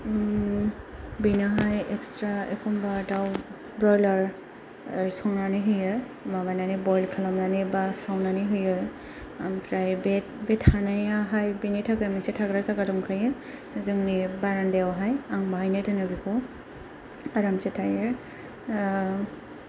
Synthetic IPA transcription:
binaɦajɛkstɹaekɔmbataw | bɹɔjlaɹ | sɔŋnaniɦɯjɯ | mabananibɔjlkʰalɔmnanibasawnaniɦɯjɯ | ampʰɾajbɛtbɛthanajaɦajbinitʰakɯmisɛtʰaɡɾazaɡadɔŋkʰajɯ | zɯŋnibaɹandɛwɦajaŋbaɦajnatɯnɯbikʰɔ | aɾamsɛtʰajɛ

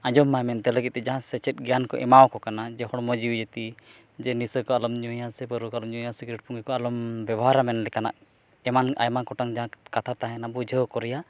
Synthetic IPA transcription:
ãd͡ʒɔmːajmɛnt̪ɛləɡit̪̚ɛd͡ʒaɦãsɛt͡ʃɛt̪̚ɡɛjankɔʔɛ̰mawkɔkanad͡ʒɛhɔɽmɔd͡ʒiwd͡ʒet̪i | d͡ʒɛnisəkɔalɔmɲũjasɛpəɾukɔalɔmɲujasikɾɛʈ̚puŋɡɛkɔalɔmbɛbɔɦaɾamɛnlɛkana̰ʔ | ɛmana̰jmakɔʈaŋd͡ʒaɦãkat̪ʰat̪aɦɛnabud͡ʒʱəkɔɾɛja

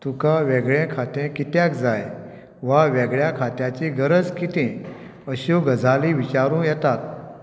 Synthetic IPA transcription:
t̪ukaʋɛɡɭẽkʰat̪ẽkit̪jakd͡zaj | ʋaʋɛɡɭjakʰat̪jat͡ɕiɡəɾəd͡zkit̪ẽ | əɕuɡʱəd͡zʱaliʋit͡ɕaɾũːjɛt̪at̪̚

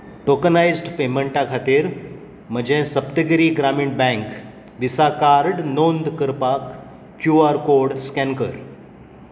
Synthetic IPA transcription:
ʈokənajzɖpeməɳʈãkʰat̪iːɾ | m̤əd͡ʑẽsəpt̪əɡəɾiːɡɾamiɳʈ̚bɛ̃ŋk | ʋisakaɾɖnond̪kəɾpakː | juaɾkoɾɖskɛnkəɾ

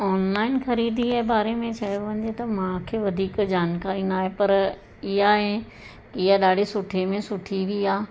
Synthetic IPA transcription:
ɔːnlaːɪnxɐɾiːd̪iebaːɾemẽt͡ɕʰɐjoʋɐ̃ɲd͡ʑet̪ɐmãkʰeːʋɐd̪ʱiːkd͡ʑaːnkaːɾĩːnd̪aːɦepɐɾ | ɪɦaɦe | kɪɦaɗaːɖ̤ʱesʊʈʰemẽsʊʈʰiʋiaː

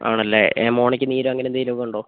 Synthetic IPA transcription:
a̰ːɳɐlːḛemo̞ːɳikʲːɨniːɾuɐŋːɐnemnd̪iːilokːuɳɖoː

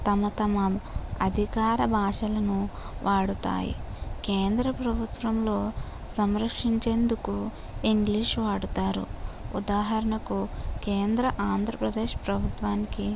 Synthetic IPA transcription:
t̪ɐmɐt̪ɐmɐɐd̪ʱikaːɾɐbʱaːʂɐlɐnu | ʋʔaːɽut̪a̰ːjḭkeːnd̪ɾɐpɾɐbʱut̪ʋɐmlo̞ː | sɐmɾɐkʂiɲt͡ʃe̞ːnd̪uku | iŋɡliːʂʋaːɽut̪aːɾṵud̪aːɦɐɾɐɳɐkuke̞ːnd̪ɾɐʔaːnd̪ʱɾɐpɾɐd̪eːʃpɾɐbʱut̪ʋaːniki

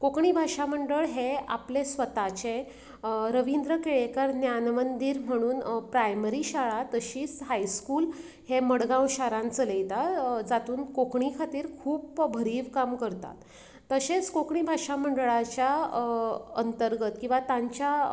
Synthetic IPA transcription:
kokɳibʱaʂam̤əɳɖəɭɦea̰plesʋət̪at͡ɕẽ | ɾəʋind̪ɾəkeɭekəɾnjanmənd̪iːɾm̤əɽ̃uːnpɾajməɾiɕaɭat̪əɕiːt͡sɦajskuːl | heməɽɡãwɕaɾãnt͡sələjt̪ad͡zat̪uːnkokɳikʰat̪iːɾkʰuːpbʱəɾiːʋkamkəɾt̪a̰t̪ː | əɕet͡skokɳibʱaʂam̤əɳɖɭat͡ɕja | ə̰nt̪əɾɡət̪kĩw̃ʋat̪aɲt͡ɕa

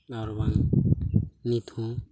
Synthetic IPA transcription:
aɾβaŋ | nit̪ʰũ

